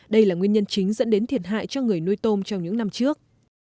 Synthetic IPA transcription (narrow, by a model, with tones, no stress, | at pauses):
ɗə˧jlaː˨˩ŋwi˧əɲə˧nt͡ɕï˨˦ŋ̟zə̰˧˥nɗe˨˦nt̪ʰi˨˩ət̚ɦa̰ː˧˨jt͡ɕɔ˧ŋɨ˨˩əjno˧jt̪o˧mt͡ɕɔ˧wŋ͡mɲɨ̰˧˥ŋna˧mt͡ɕɨ˦˥ək̚